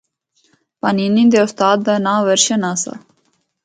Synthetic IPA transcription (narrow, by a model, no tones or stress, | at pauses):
paninind̪eust̪aːd̪̚ːənãːʋəɾɕənasa̰